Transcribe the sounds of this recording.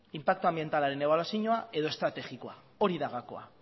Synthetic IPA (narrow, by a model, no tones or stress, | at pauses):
impak̚t̪oambie̞nt̪alaɾe̞ne̞βalasiɲoae̞ðo̞e̞st̪ɾat̪e̞xiko̞a | o̞ɾiðaɣako̞̰a̰